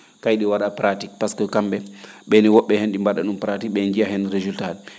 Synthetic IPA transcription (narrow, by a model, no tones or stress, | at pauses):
kajɗiwaɗapɾatik̚paskɔkambɛɓɛniwɔɓːɛhenɗimbaɗa̰ɗumpɾatik̚ɓɛnd͡ʒijaɦɛnɾezultaɗɛ